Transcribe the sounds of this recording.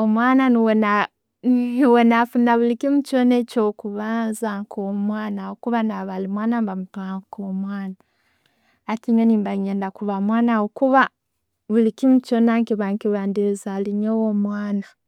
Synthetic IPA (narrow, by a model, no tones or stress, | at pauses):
omwaːnaniwona | niwonafunaβulikimut͡ʃonet͡ʃokuβaːnzaŋkʰomwaːnawokuβanaβalimwaːnambamutwaŋkoːmwaːnaː | tiɲoniːmbaɲeːndakuβamwaːnawokuβa | βulikimut͡ʃonaŋkiβaŋkiβaːndiɾizaliɲowomwaːna